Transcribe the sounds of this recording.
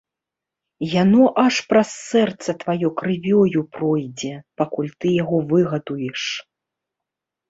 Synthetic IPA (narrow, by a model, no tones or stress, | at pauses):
janɔʔɐʂpɾɐsːɛrt̪sɐt̪vajɔkɾɨvʲɔjupɾɔjd͡zʲɛpakulʲt̪ɨjaɣɔvɨɣɐd̪ujɛʂ